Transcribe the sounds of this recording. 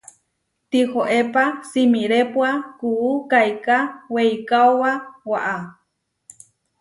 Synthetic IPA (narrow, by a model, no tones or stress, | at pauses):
t̪ihoʔepasimiɾepwakuːkajkawejkauwawaʔa